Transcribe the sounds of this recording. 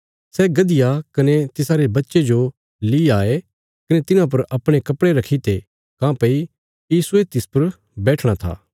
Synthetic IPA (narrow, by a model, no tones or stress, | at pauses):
sɛːɡɐd̪ɪjakɐnet̪ɪsaːɾebɐtːʃed͡ʒo | liaːe | kɐnet̪ɪnãp̬ɐɾʔɐpɽ̃ekɐpɽeɾɐkʰit̪e | kãːpɐi | jiːsuet̪ɪspɐɾ | bɛːʈʰɽ̃at̪ʰa̰ː